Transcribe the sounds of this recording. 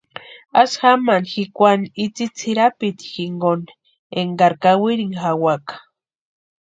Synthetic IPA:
asxamanxikʷaniit͡sit͡sʰiɾapit̪i̥xiŋɡon | eŋɡaɾkawiɾiŋxawakḁ

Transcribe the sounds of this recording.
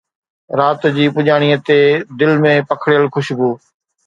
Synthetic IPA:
ɾaːt̪d͡ʑiːpʊʄaːɽ̃iːət̪ed̪ɪlmẽːpəkʰɽɪjəlxʊʃbuː

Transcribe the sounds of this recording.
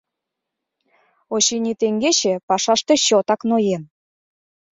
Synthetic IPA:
oɕinʲit̪eŋɡeɕĕpɑʃɑʃt̪ĕɕot̪ɑknojen

